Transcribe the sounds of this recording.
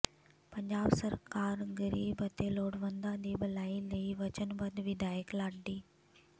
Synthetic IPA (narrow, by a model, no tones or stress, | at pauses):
pɐɲd͡ʑaːbsɐɾkaːɾɣəɾiːbət̪eloːɽʋə̃nd̪ãd̪iːbɐlaːiləiʋɐt͡ɕənbɐd̪ʋɪd̪ʱaːjəklaːɖːiː